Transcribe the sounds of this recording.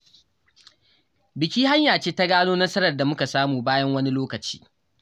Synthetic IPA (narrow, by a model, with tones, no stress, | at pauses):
bɪ˨kʲiː˦ha˦ɲjaː˨t͡ʃeː˦ta˦ɡaː˦noː˦nɐ˦sɐ˦ɾɐ˨rda˨mʊ˦ka˨saː˦muː˨baː˦jɐ˦ŋwɐ˦ni˦loː˦kɐ˨t͡ʃi̥̰ː˦